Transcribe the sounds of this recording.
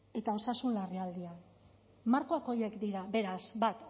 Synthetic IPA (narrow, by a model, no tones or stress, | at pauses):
e̞t̪ao̞sasunlariald̪ia | maɾko̞ako̞je̞kd̪iɾabe̞ɾazbat̪